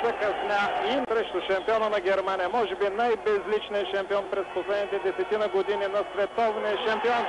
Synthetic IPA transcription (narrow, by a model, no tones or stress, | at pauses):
zəkɐsnʲaimsɾɛʃt̪ʊʃɐmpiɔnənɐɡʲɛɾmanijəmɔʒɛbinajbɛzlit͡ʃniəʃɐmpiɔnpɾɛsposlɛd̪nit̪ɛd̪ɛsɛt̪inəɡod̪ininɐsvɛt̪ɔvniəʃɐmpiɔn